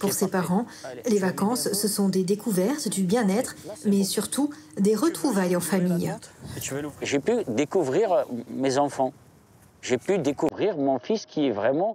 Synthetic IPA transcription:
puʁsepaʁɑ̃levakɑ̃sːəsɔ̃d̪ed̪ekuvɛʁt̪d̪ybjɛ̃nɛt̪χmɛsyʁt̪ud̪eʁət̪χuvajɑ̃famij | ʒepyd̪ekuvʁiʁmezɑ̃fɑ̃ | ʒepyd̪ekuvʁiʁmɔ̃fiskʲiɛvʁɛmɑ̃

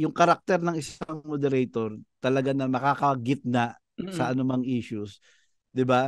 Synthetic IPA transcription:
jʊŋkɐɾak̚t̪ɛɾnɐŋɪsaŋmod̪ɛɾɛjt̪oɾt̪ɐlɐɡanɐmɐkaːkɐɡɪt̪̚naʔ | sɐɐnʊmaŋʔiːʃʊs | d̪ɪba

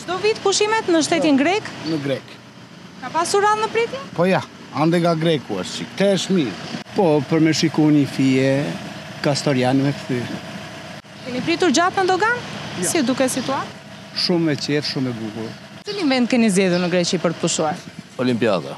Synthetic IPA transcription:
d͡ʒd̪ɔvit̪puʃimɛt̪nəʃt̪ɛt̪inɡɾɛknəɡɾɛk | kapasuɾaðnəpɾit̪ipɔja | and̪ɛɡaɡɾɛkua̰ʃsḭt̪ɛʃmipɔpəɾmɛʃikunifiɛ | kast̪ɔɾjanɛmɛkθy | kɛnipɾit̪uɾd͡ʑat̪nəd̪ɔɡansid̪ukɛsit̪uat̪ | ʃumːɛt͡ɕɛtʃumːɛbukuɾ | siliɱvɛnd̪̚kɛnizɛðuɾnəɡɾɛt͡ɕipəɾt̪ə̥puʃuaɾɔlimpija̰ða̰

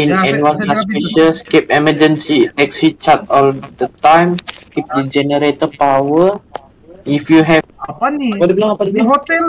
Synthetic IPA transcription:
inɛnwãnsaspiʃəskɛpɛməd͡ʒənsiɛksit͡ʃat̪ɔldət̪ajmkip̚did͡ʒɛnəɾet̪əpawə | ifjuɦɛ | padəbilaŋapadubiɦot̪ɛl

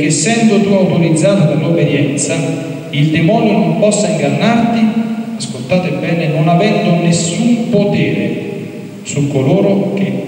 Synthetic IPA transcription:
sːɛnd̪ot̪uawt̪oɾid̪zːaːt̪okolːobed̪jɛnt̪sa | ild̪emɔːnjonompɔsːaiŋɡanːart̪iaskolt̪aːt̪ebɛːnenonavɛnd̪onesːumpot̪ɛːɾḛ | sukːoloːɾok̟ɪ

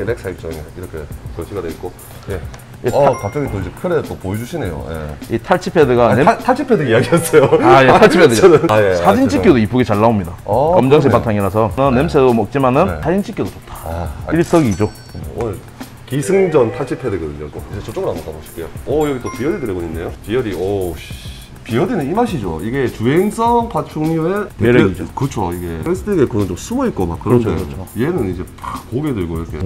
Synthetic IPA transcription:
ɾeks͈ʰaik̚t͡ɕ͈ʌŋeiɾʌkʰe̞sʌɭɕʰiɡadeit̚k͈o | je̞ | jeakap̚t͡ɕ͈ʌŋit͈oid͡ʑekʰɯɾe̞t͈opojed͡ʑuɕʰine̞̰jo̰jḛitʰaɭt͡ɕʰipʰe̞dɯɡanetʰaɭt͡ɕʰipʰedɯiaɡies͈ʌjoajetʰaɭt͡ɕʰipʰedɯjesʰad͡ʑint͡ɕʰik͈jodoip͈ʰːuɡet͡ɕaɭːaomɲidakʌmd͡ʑʌŋɕ̬ʰikp͈ːatʰaŋiɾasʰʌnɯnːemsʰedomʌk̚t͡ɕ͈imanɯnsʰad͡ʑint͡ɕʰik͈jodot͡ɕotʰḁiɭs͈ʌɡiːd͡ʑo | onɯɭ | kisʰɯŋd͡ʑʌntʰaɭt͡ɕʰipʰedeɡʌdɯɲok͈o̰id͡ʑet͡ɕʌt͡ɕ͈oɡɯɾamokaboɕʰi̥p̚k͈ʰejo̰ʌjʌɡit͈opijʌɾidɯɾeɡoɲinːejopiʌɾiʌɕ | pijʌdenɯnimaɕʰid͡ʑo̰iɡe̞t͡ɕuɦeŋs͈ʌŋpat͡ɕʰuŋiueeɾd͡ʑkɯt͡ɕʰoiɡe̞es͈ʰɯtʰeɡekɯnɯnt͡ɕomsʰumoit̚k͈oma̰k͈ɯɾʌneooienɯnid͡ʑe̞pkoɡedɯɭɡoiɾʌkʰḛ

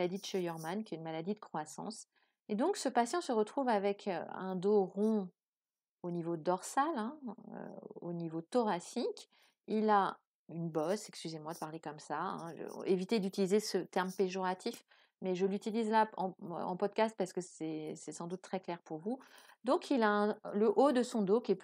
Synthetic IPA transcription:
ad̪id̪əʃœjɔʁmankʲɛynmalad̪id̪əkχwasɑ̰̃s | ed̪ɔ̃ksəpasjɑ̃səʁət̪χuvavɛkʰø̰ɛ̃d̪oʁɔ̃ | onivod̪ɔʁsalɛ̃ø̰onivot̪ɔʁasik | ila | ynbɔsɛkskʲyzemwad̪əpaʁlekɔmsaɛ̰̃evit̪ed̪yt̪ilizesət̪ɛʁmpeʒɔʁat̪ʰif | mɛʒəlyt̪ilizlaɑ̰̃ɑ̃pɔd̪̚kast̪̚paʁsə̥kəsɛsɛsɑ̃d̪ut̪ːχɛklɛʁpuʁvu | d̪ɔ̃kʰilaɛ̃ləʔod̪əsɔ̃d̪okʲɛp

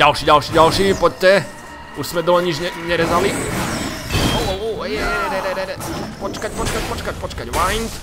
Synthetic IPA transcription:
ɟalʃiːɟalʃiːɟalʃiːpɔc̚ːɛ | uʃsmɛd̪ɔɲid͡ʒɲɛɲɛɾɛzali | olouɛɛɛɾɛɾɛɾɛɾɛɾɛpɔt͡ʃkac̚pɔt͡ʃkac̚pɔt͡ʃkac̚pɔt͡ʃkacʋajnt̪

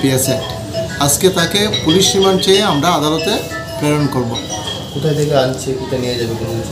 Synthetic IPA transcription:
pieseʈ | ad͡ʑket̪akepuliʃːimant͡ɕejeamɾaad̪alot̪e | pɾeɾonkoɾbo | kut̪ʰajt̪ekeant͡ɕʰekut̪anijed͡ʑabekona

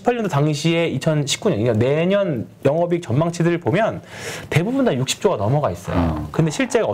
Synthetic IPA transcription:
i̥pʰːaɭɲʌndotaŋɕʰieit͡ɕʰʌnɕʰi̥p̚k͈uɲʌniʌne̞ɲʌn | jʌŋʌbik̚t͡ɕʌnmaŋt͡ɕʰidɯɾɯɭpomjʌnte̞bubundajuk̚ɕ͈ʰi̥p̚t͡ɕ͈oɡanʌmʌɡais͈ʌ̰jo̰kɯnde̞ɕʰiɭt͡ɕ͈e̞ɡaʌ

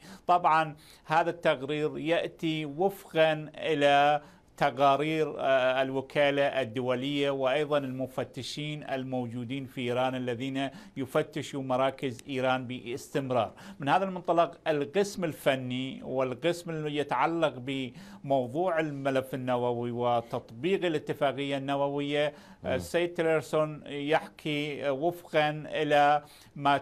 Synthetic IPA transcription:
t̪ˤɑbʕɑn | haːðat̪ːaɣɾiːɾjaʔt̪iwɪfqɑnʔɪla | t̪aqaːɾiːɾɪlwɪkʰaːlaʔɪd̪ːʊwalɪjːawɪʔɑjðˤɑnɪlmʊfat̪ːɪʃiːnɪ̰lmowd͡ʒuːd̪iːnfiʔiːɾɑːnalːaðiːnajʊfat̪ːɪʃumɑɾˤɑːkɪzʔiːɾɑːnbiɪst̪ɪmɾɑ̰ːɾˤmɪnhaːðalmʊnt̪ˤɑlɑqɪlqɪsmɪlfanːiwɪlqɪsmɪjɪt̪aʕalːɑqbɪmowðˤuːʕɪlmalafːɪnːawawiwɪt̪ːɑt̪ˤbiːqɪlʔɪt̪ːɪfaːqɪjːanːawawɪjːa | sːejːd̪t̪ɪlaɾsonjaħkʰiwɪfqɑnʔɪla | ma

